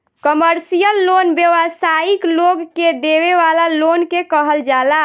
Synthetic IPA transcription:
kəməɾsijəlːonbjeʋəsaikloɡked̪eʋeʋalalonkekəɦəld͡ʒala

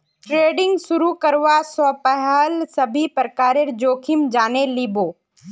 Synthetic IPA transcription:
ʈɾeːɖɪ̃ŋɡsʊɾukɐɾʋasɔpɛɦəlsɐbʱipɾəkaːɾeɾd͡ʒoːkʰɪmd͡ʒaːneliːboː

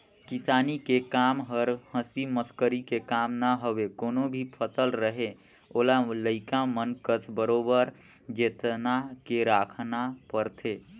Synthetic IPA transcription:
kisanikekamɦəɾhə̃siməskəɾikekamnaɦobekonobʱipʰəsəlɾəɦe | olaləɪkamənkət̪bəɾobəɾ | d͡ʒet̪nakeɾakʰnapəɾt̪ʰe

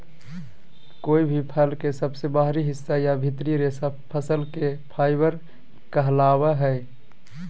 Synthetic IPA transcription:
koːibʱipʰəlkesəbsebaɦɾiɦɪsːajabʱit̪ɾiɾesapʰəsəlkepʰaːɪbəɾ | kəɦlabəɦɛɪ

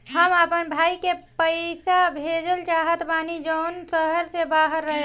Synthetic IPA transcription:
ɦəməpənbʱaikepəjsabʱed͡ʒəlt͡ʃaɦət̪banid͡ʒəʊnsəɦəɾsebaɦəɾːəɦe

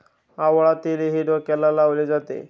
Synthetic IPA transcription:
aʋəɭat̪ileɦiɾokɛlalaʋled͡zat̪ḛ

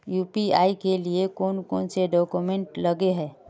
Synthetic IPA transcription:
juːpiaːikeliekoːnkoːnseɖɔːkumẽɳʈlɐɡeɦɛː

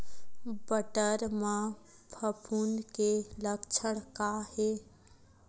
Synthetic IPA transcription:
bəʈəɾma | pʰəpʰunkeləkt͡ʃʰəɽkahe

